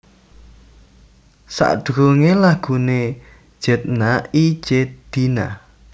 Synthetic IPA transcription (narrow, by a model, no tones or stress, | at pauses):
sa̰ʔd̪̥oŋelaɡ̥ṳne̥ | ʒ̥ə̤t̪̚nai̥d͡ʒ̥ed̪̥ina̰